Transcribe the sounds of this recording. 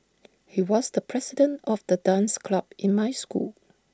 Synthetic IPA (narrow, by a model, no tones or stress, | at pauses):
hiwɔsdəpʰɹɛsidə̃ntɔfd̥ədãnskʰlabʔɪ̃nmaɪskṵl